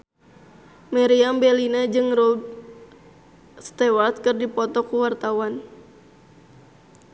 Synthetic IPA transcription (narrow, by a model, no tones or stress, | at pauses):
mɛɾiambɛlinad͡ʒɨŋrɔd | st̪ɛwart̪̚kɨrdipɔt̪ɔkuwart̪awan